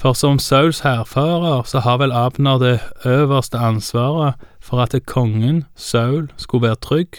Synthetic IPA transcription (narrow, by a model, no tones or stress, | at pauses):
fɔʁsɔmsɑʉlshæːʁfɑːʁəʁsɔhɑːʁʋɛlɑːbnod̪eøːʋəʁst̪əɑnsʋɑːʁəfɔʁɑt̪əkʰɔŋːənsɑʉlskʉʋæːʁət̪ʰʁʏɡ